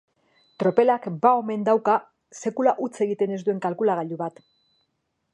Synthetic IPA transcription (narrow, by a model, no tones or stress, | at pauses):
t̪ɾo̞pe̞lakbao̞me̞nd̪awka | se̞kulaʔut͡se̞ɣ̞it̪e̞ne̞zd̪ue̞ŋkalkulaɣaʎuβat̪